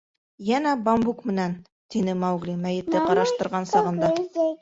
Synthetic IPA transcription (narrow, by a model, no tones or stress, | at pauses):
jænæbambukmɘ̆næn | t̪inɘmɑwɡlimæjɘ̆t̪ːɘqɑɾɑʃt̪ɤ̆ɾʁɑnsɑʁɤ̆nd̪ɑ